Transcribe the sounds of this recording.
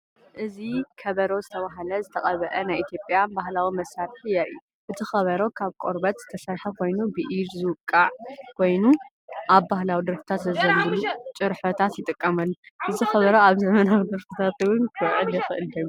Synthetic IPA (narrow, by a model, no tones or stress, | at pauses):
ʔɨzikʰɐβɐɾo̞zɨt̪ʰɐβaɦɐlɐzɨt̪ʰɐχʼɐβɐʔɐnajʔit̪ʰjopʼjabahlawimɐsaɾħɨjaʔɨjːu | ʔɨt̪ʰixɐβɐɾo̞kʰaβkʼo̞ɾbɐt̪zɨ̥t̪ʰɐsajħɐkʰo̞jnubɨʔiɾzɨwɨkʼːaʕkʰo̞jnu | ʔaβbahlawid̪ɨɾfi̥t̪ʰat̪zɐzɐnbɨlut͡ʃʼɨɾħot̪ʰat̪jɪt̪ʼɨkʼːɐmɐlːuʔɨzixɐβɐɾoaβzɐmɐnawid̪ɨɾfit̪ʰat̪ɨwɨnkʰɨʕɨljɛxɨʔɨldɐm